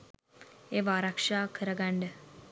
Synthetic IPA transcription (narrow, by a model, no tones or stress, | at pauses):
eʋaːɾakʂaːkʰɨɾɐɡaɳɖɐ